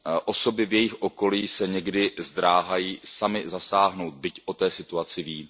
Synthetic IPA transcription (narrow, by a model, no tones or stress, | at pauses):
ʔo̞so̞bɪvjɛjɪxʔo̞ko̞liːsɛɲɛɡdɪzd̪ɾaːɦajiːsamɪzasaːɦno̞wt̪̚bɪcʔo̞t̪ɛːsɪt̪uat͡sɪviː